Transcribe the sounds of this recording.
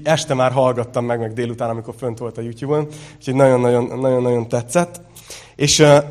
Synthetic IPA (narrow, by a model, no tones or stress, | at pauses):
ɛʃt̪ɛmaːrɦɒlɡɒt̪ːɒmːɛɡmɛɡd̪eːlut̪aːnɒmiko̞rfø̞nt̪ʋo̞lt̪ɒjuːt̪juːbonu̥cʰo̞ɟnɒɟo̞nːɒɟo̞nːɒɟo̞nːɒɟo̞nt̪ɛt̪sɛt̪ː | eːʃ